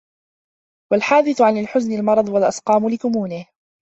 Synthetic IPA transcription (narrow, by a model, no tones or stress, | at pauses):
walħaːd̪ɪθʊʕanalħʊznɪlmɑɾˤɑd̪ˤwalʔɑsqɑːmlɪkʊmuːnɪh